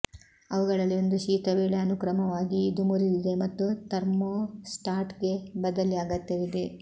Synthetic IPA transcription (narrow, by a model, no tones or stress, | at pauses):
ɐʋuɡɐɭɐlːio̞nd̪uʃiːt̪ɐʋeːɭeɐnukɾɐmɐʋaːɡiːd̪umuɾid̪id̪e̞mɐt̪ːut̪ɐɾmosʈaːɾʈɡe̞bɐd̪ɐliaːɡɐt̪ːeʋid̪e̞